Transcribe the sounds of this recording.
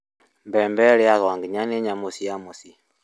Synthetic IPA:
mbɛmbɛɺiaɣaŋɡiɲanɛɲamusiamusi

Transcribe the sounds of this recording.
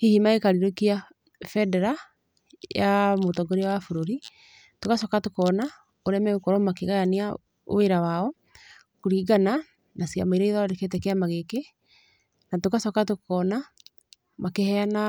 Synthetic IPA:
hihimaekaɾiɾokia | fɛdɛɾa | jamotɔɡoɾewafoɾoɾi | tokasɔkatokɔna | oɾɛmɛokɔɾɔmakeɣajanea | o̰weɾawaɔ | koɾiːɡana | nasia̰maiɾaiðaoɾeket̬ɛkeamaɣeke | natokasɔkatokɔna | makehɛana

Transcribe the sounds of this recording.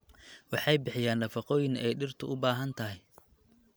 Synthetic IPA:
wɑħɑjbɪħɪjaːnːɐfɑqɔːjɪnɛjɖɪrt̪ʰʊʔʊbaːɦɐnt̪ʰɐɦɪj

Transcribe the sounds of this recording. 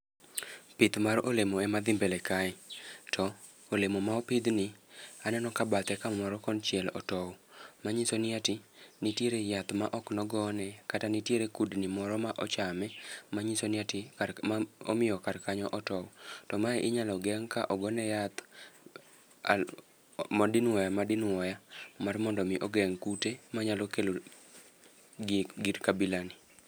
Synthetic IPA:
pɪd̪maɾolemoɛmad̪ɪmbelekaɪtʰɔ | olemomaopɪd̪nɪanɛnɔkabat̪ɛkamɔɾɔkɔnt͡ʃjɛlɔ̰tɔwmaɲisonɪatinitjeɾejat̪maʔɔknɔɡɔnɛkatanitjeɾekudnimɔɾɔmaʔɔt͡ʃamɛmaɲisonɪatɪao̰mɪjɔkarkaɲɔʔɔtɔwtɔmaɛʔɪɲalɔɡɛŋka̰ʔɔɡɔnɛjat̪ | mdɪnwɔjamadɪnwɔjamarmɔndɔmɪʔɔɡɛŋkutemaɲalɔkelo | ɡiɾkabilanɪ

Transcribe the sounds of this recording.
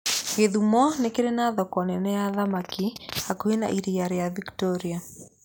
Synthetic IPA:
ɡeðumɔnekeɾenaðɔkɔnɛnɛjaðamakiakuena̰ʔiɾijaɾejaviktɔɾia

